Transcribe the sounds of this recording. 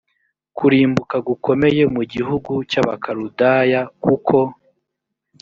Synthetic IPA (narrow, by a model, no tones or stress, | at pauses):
kuɾiːmbukaɡuko̞me̞je̞muɟiɦuɡucaβa̰kʰaɾudajakukʰo̞